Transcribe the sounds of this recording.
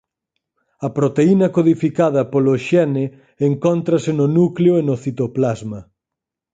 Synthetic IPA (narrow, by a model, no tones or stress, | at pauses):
ɐpɾot̪einɐkoðifikaðɐpoloʃɛne | eŋkont̪ɾɐsɪnʊnukleoenʊθit̪oplazmɐ